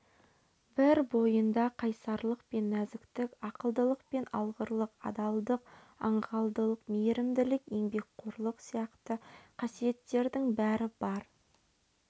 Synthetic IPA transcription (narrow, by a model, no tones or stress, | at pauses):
bɪɾbo̞jənd̪ɑqʰɑjsɑɾlˠəq̚pe̞nːæzɪkt̪ɪkɑqəlˠd̪əlˠəq̚pe̞nɑ̰lˠʁəɾlˠəqɑ̰d̪ɑlˠd̪əq | ɑ̰ɴʁɑlˠd̪əlˠəqmeɾɪmd̪ɪlɪke̞ŋbe̞k̚qʰoɾlˠəqsijɑqt̪əqʰɑsije̞t̪ːe̞ɾd̪ɪŋbæɾɪb̥ɑɾ